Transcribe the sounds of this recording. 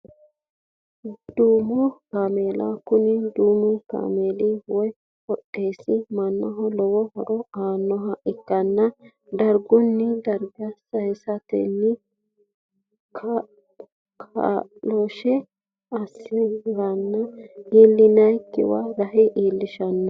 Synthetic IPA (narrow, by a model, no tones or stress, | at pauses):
d̪uːmʊkaːmeːlɐ̰kʊnɪd̪uːmʊka̰ːmeːliwɔj | hɔɗʼeːsɪmɐnːɐɦɔlɔwɔhɔɾɔaːnːɔɦɐʔɪkːɐnːɐ | d̪ɐɾɡɔnːɪd̪ɐɾɡɐsɐjsɐt̪ɛ̰nːɪ | kʰ | kʰaloʃɛ | ɐsːɪɡɐnːɐiːlːɪnɐjkːɪ̰waɾɐɦɛʔiːlːɪʃɐnːɐ